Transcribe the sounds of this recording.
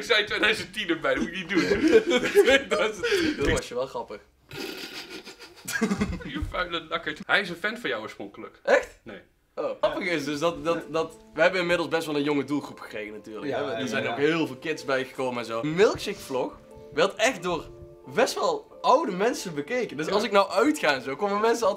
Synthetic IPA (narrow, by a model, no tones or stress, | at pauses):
ksɛjtʋɛnɛsətinəbɛjdmuɪk̚nit̚du | ddoʋɔsjəʋɛlˠχrɑpəx | faɥlədɑkəthɛjɪsənfɛnfɔjawoːɹsproŋkələkʔɛxtne | oɑpəxɪsdøsdɑtdɑtdɑtʋəɦɛbənɪnmɪdl̩ˠzbɛstʋɛlˠə̃njoŋədulˠχrupxə̥krejɣənatyːɹləkɦɛdəɹzɛjnokɦɪːlˠvɪːlˠkɪtsbɛjɣə̥kowməɛnzomɪlˠkʃɪkflɔx | ʋɛɹtɛxt̚doːr | bɛstʋɑlˠ | ʌwdəmɛnsənbəkejkəndɵsɑlˠsɪknɑwʔœɥtxaːnzowkoməmɛnsəɑlˠ